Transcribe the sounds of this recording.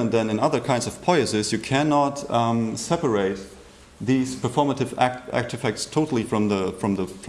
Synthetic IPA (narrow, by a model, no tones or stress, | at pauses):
ə̃nðɨ̃nɨ̃nʌðə˞kʰãɪ̃ndzʌv̥pʰɔɪɨsɪzjɨkʰænɑtsɛpə˞eɪt̚ | ðiz̥pʰə˞fɔɹməɾɨvææ̰k̚tɨfɛk̚tstʰoʊɾl̩ˠifɹʌ̃mðəfɹʌ̃mðəf